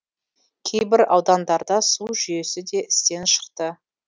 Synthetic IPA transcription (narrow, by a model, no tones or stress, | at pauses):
kʲʰe̞jbɪɾɑ̰wd̪ɑnd̪ɑɾd̪ɑsuʒʏje̞sɪd̪e̞ʔɪ̥st̪e̞nʃə̥qt̪ə